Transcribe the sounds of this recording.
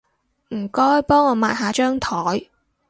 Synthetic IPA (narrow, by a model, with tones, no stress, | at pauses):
m̩˨˩kɔː˥jpɔː˥ŋɔː˨˧maː˧˨jhaː˨˥t͡ʃœː˥ŋt̪ʰɔː˨˥j